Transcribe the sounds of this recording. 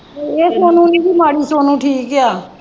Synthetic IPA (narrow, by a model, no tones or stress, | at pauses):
eːsonũnibʱiːmaːɽisonũʈʰiːkːjaː